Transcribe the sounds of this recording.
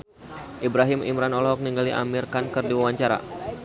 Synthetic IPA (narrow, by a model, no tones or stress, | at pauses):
ʔibɾaɦimḭmɾanɔlɔɔk̚niŋɡaliʔa̰mirkankɨrdiwawaɲt͡ʃaɾa̰